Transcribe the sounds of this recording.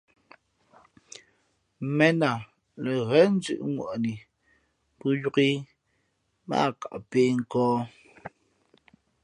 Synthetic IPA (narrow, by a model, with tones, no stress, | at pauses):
mɛ˦na˨ | le˨ɣɛ˦n˦d͡zʉ̰˦˨ʔŋwɔ̰˨ʔni˨ | pu˦ju˦ki˦ | ma̰˦˨ka˨ʔpeː˦ŋ̩˦˨kɔː˦